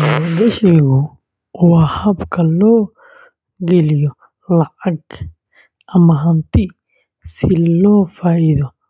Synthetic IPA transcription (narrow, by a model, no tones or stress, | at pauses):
mɔd̪ɛʃiɣʊ | wahɐbkʰɐlɔː | ɡɛlijɔ | lɐʕɐɡ | ʔɐmɐɦɐnt̪ʰɪ | sɪlɔːfaːʔiðɔ